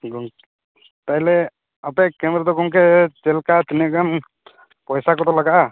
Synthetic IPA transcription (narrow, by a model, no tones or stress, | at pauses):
ɡɔŋ | t̪ajlɛ | apɛkɛmɾɛd̪ɔkɔŋkɛt͡ʃɛlkat̪inaʔkan | pɔjsakɔd̪ɔlaɡaʔa